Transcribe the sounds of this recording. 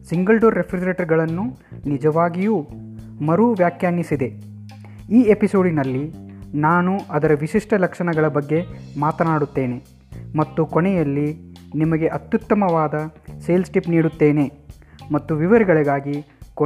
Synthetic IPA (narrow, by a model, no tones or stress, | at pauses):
siŋɡɐlɖoːɾːepʰɾid͡ʒɐɾeʈɐɾɡɐɭɐnːu | nid͡ʒɐʋaːɡijuːmɐɾuʋjaːkjaːnjisid̪e̞ | iːepiso̞ːɖinɐlːi | naːnuɐd̪ɐɾɐʋiʃiʂʈɐlɐkʂɐɳɐɡɐɭɐbɐɡːe̞maːt̪ɐnaːɽut̪ːe̞ːne̞ | mɐt̪ːukoɳɛjɐlːinimɐɡe̞ʔɐt̪jut̪ːɐmɐʋaːd̪ɐse̞ːlsʈipniːɽut̪ːe̞ːne̞mɐt̪ːuʋiʋɐɾɡɐɭiɡaːɡik